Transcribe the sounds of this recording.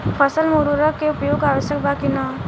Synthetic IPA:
pʰəsəlmoɾuɾəkeupjoɡaʋəsjəkbakina

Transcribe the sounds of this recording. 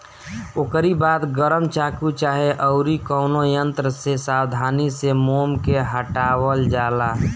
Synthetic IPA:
okəɾibaːt̪ɡəɾəmt͡ʃaːkut͡ʃaːɦeʔəʊɾikɔʊnojənt̪ɾəsesaːwd̪ʱaːnisemoːmkeɦəʈaːwəld͡ʒaːlaː

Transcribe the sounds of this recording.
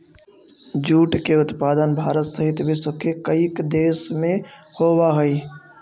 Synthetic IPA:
d͡ʒuːʈkeʊt̪paːd̪ənbʱaːɾət̪səɦɪt̪bʱɪsəkekəikd̪eːʃmẽhoːwaɦɛi

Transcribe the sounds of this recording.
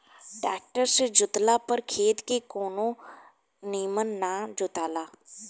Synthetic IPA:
ɖaːk̚ʈəɾsd͡ʒʊt̪lapəɾkʰeːt̪kekoːnõ | niːmənːad͡ʒʊt̪aːlaː

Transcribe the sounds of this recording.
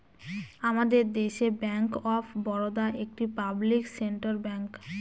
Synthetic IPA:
amad̪eɾd̪eʃebɛŋkɔfʰbɔɾod̪aʔek̚ʈipablikseɳʈaɾbɛŋk

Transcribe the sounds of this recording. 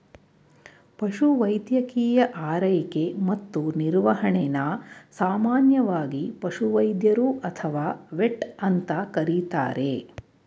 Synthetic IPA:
pɐʃuʋɐjd̪jɐkiːjɐʔaːɾɐjikemɐt̪ːuniɾʋɐɦɐɳenasaːmaːnjɐʋaːɡipɐʃuʋɐjd̪jɐɾuʔɐt̪ʰɐʋaːʋeʈɐnt̪ɐkɐɾit̪a̰ːɾʔe

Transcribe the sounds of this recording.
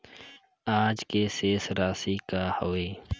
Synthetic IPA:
aːd͡ʒkeːseːsɾaːsiːkaːhoːeː

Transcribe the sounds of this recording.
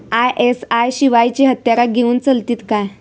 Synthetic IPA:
ajʔesajɕiʋajt͡ɕiɦət̪jaɾaɡʱeuːnt͡səlt̪iːt̪kaj

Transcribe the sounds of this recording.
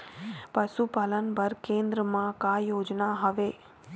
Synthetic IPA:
pəʃupalənpəɾkẽnd̪ɾəmãkajoːd͡ʒnaɦəʋe

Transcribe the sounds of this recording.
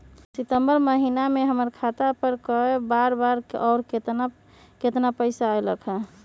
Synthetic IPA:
sit̪əmbəɾməɦinameɦəməɾkʰat̪apəɾkɔebaɾbaɾ̰ʔɔʊɾket̪ | ket̪napəɪsaəjləkʰɛ

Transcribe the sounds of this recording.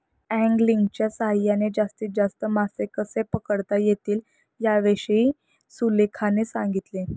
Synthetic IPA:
æ̃ŋɡliŋɡt͡ɕjasaɦajaned͡ʑast̪iːd͡zast̪əmasekəsepəkəɽt̪ajet̪iːl | jaʋeʂi | sulekʰanesãŋɡit̪le

